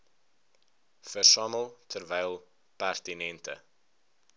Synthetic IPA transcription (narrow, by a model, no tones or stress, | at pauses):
fərsɑːməlˠtʰərvɛjlˠ | pærtinɛntə̰